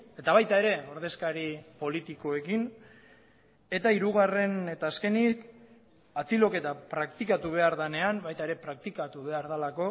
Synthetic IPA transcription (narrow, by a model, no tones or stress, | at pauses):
e̞t̪aβ̞ajt̪ae̞ɾe̞o̞ɾðe̞skaɾipo̞lit̪iko̞e̞kin | e̞t̪aiɾuɣ̞are̞ne̞t̪aːske̞nik | at͡silo̞ke̞t̪apɾakt̪ikat̪uβ̞e̞aɾðane̞ambajt̪ae̞ɾe̞pɾak̚t̪ikat̪uβe̞aɾðalako̞